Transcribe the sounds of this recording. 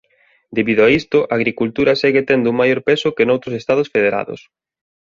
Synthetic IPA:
d̪eβiðʊaist̪ʊʔaːɣ̞ɾikult̪uɾɐsɛɣet̪ɛnd̪ʊuŋmajoɾpesʊkenowt̪ɾosest̪að̞osfeðeɾa̰ðʊ̰s

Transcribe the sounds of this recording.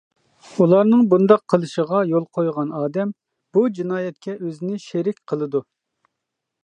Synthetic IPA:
ulˠɑɾnɨŋbund̪ɑqʰːəlˠɨʃəʁɑjolˠqʰojʁɑnɑːd̪ɛm | b̥ud͡ʒinɑːjɛt̪̚kʲɛʔøzɪnɪʃeɾɪkʲqʰəlˠɨd̪u

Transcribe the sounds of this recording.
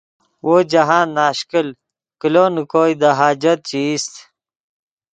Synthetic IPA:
wʔoːd͡ʑaɦãːnːaːɕkil | kiloːnukoːjd̪aɦaːd͡ʑɐt̪̚t͡ɕiist̪

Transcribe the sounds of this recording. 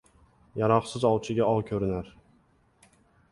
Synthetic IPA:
jaɾɒqsɪzɒwˠt͡ʃʰɪɡʲaɒwkʲʰɵɾɪnaɾ

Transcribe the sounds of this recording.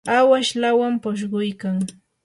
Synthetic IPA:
awaʃlawampʊʃ̬ɢʊjkaŋ

